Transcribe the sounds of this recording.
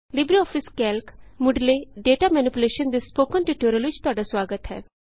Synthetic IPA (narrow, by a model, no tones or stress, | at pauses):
libɾiɔfiskɛlkmuɖleɖeʈamɛnipuleʃənd̪espokənʈiʈuɾjəlud͡ʑt̪aɽasʋaɡət̪ɦɛ̰